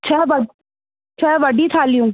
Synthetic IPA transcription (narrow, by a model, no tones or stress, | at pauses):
t͡ʃʰɛːʋəɖ | t͡ʃʰɛʋəɖit̪ʰaːlijũː